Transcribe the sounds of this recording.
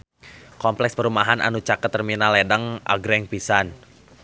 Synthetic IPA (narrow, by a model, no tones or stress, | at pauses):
kɔmplɛkspəɾumaɦanʔa̰nut͡ʃakət̪ːərminalɛdaŋʔa̰ɡɾɛŋpisan